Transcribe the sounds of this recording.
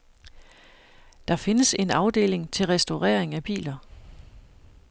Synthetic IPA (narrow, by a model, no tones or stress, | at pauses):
d̥ɑ̈fe̝nəse̝nɑ̈ʊd̥e̝̰ːle̝ŋt͡sʰe̝lʁɛsd̥oʁɛ̰ɐ̰e̝ŋæb̥ḭːlɐ